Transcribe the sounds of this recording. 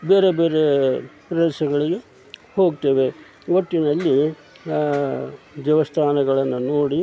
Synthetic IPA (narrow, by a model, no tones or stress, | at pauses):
beːɾebe̞ːɾepɾɐʃɐɡɐɭiɡe̞ | hoːɡt̪eʋe̞ | ʋoʈːinɐlːi | ʋjɐʋɐst̪ʰaːnɐɡɐɭɐnːunoːɽi